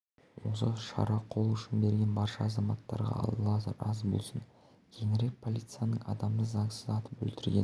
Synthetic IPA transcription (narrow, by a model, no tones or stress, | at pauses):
wo̞̰səʃɑ̰ɾɑqʰo̞lˠʏʃɪnbe̞ɾɡʲe̞nbɑɾʃɑːzɑmɑt̪ːɑ̰ɾʁɑ̰ɑ̰lˠlˠɑsəɾɑzbo̞̰lˠsən | kʲʰe̞ŋɪɾe̞k̚pʰo̞lʲit̪sɨjanəɴɑ̰d̪ɑmd̪əzɑɴsəzɑt̪əpwɵ̰lt̪ɪɾɡʲe̞̰n